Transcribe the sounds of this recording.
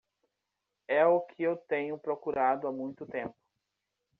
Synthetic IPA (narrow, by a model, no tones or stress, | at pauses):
ɛʊkʰɪewt̪ẽɲʊpɾokuɾad̪ʊamũj̃t̪ʊt̪ẽmpʊ̥